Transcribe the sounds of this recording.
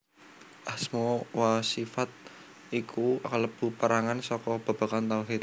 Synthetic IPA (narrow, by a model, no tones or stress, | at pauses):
ʔasmowasifat̪̚ | ikʰuləb̥ṳpəɾaŋansɔkɔb̥a̤b̥akant̪alɦit̪